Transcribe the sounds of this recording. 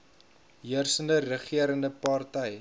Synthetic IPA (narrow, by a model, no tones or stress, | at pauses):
ɦiərsəndərəχiəɾəndəpɑrtɛj